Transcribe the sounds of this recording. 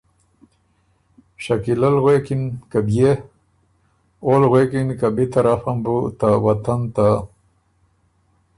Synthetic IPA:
ʃakilalɣwekinkabje | olɣwekinkabit̪aɾafambut̪awat̪ant̪a

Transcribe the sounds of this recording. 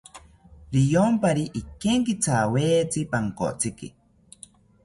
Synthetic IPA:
ɾijompaɾiʔikeŋkit͡sʰaweːt͡sipaŋko̰t͡sʰikḭ

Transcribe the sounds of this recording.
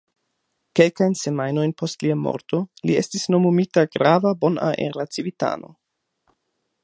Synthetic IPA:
ke̞lkajnse̞majno̞jnpʰo̞stliamo̞̰ɾto̞lie̞stisno̞momitaɡɾavabo̞na̰ʔḛɾat͡sivita̰no̞̰

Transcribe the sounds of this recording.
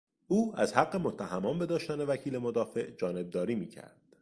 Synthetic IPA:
ʔuːæzhæɡːe̞mo̞t̪ʰːæhæmɒːmbe̞d̪ɒːʃt̪æne̞væcʰiːle̞mod̪ɒːfe̞ʔd͡ʒɒːne̞b̚d̪ɒːɾiːmiːcʰæ̰ɾd̪̥

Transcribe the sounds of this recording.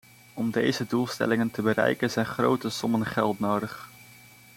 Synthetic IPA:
ɔmdejzədulˠstɛ̰lɪŋəntəbərɛ̰jkənzɛjnχrowtəsɔmənχɛlˠtnowdəχ

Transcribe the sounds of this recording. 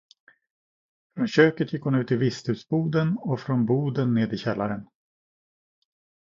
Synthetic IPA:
fɾɔnɕøːkət̪ʰjɪkːhʊnʉ̟ːt̪ʰːɪlvɪst̪hʉ̟ːsbuːd̪ənɔfɾɔnbuːd̪ənːeːd̪ɪɕɛlːaɾən

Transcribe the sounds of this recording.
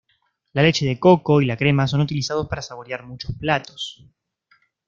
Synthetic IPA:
lale̞t͡ʃe̞ðe̞ko̞ko̞ilakɾe̞maso̞nut̪ilisað̞o̞spaɾasaβ̞o̞ɾjaɾmut͡ʃosplat̪o̞s

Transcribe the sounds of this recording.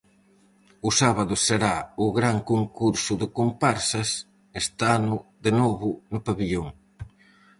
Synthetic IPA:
ʊsaβaðʊseɾaʊɣɾaŋkoŋkuɾsʊðɪkompaɾsɐs | est̪anʊðenoβʊnʊpaβiʎoŋ

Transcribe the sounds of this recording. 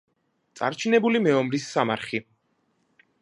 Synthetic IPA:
t̪sʼa̰ɾt͡ʃʰinɛbulimɛɔmɾisːamaɾχi

